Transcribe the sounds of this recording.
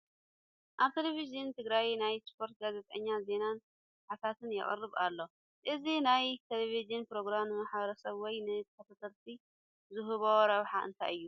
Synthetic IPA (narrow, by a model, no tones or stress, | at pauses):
ʔaβt̪ʰelevizɨnt̪ʰɨɡɾajnajspʰo̞ɾt̪̚ɡazet̪ʼɐɲːaze̞nan | ħat̪ʰat̪ʰɨnjɪ̰χʼɨ̰rːɨβalːo̞ | ʔɨzinajt̪ʰelevizɨnpɾo̞ɡɾamɨmaħbɐɾɐsɐβwɔjnɨt̪ʰkːɐt̪ʰat̪ʰɐlt̪ʰi | zuɦuβɐwɾɐβħaʔɨ̰nt̪ʰa̰jʔɨjːu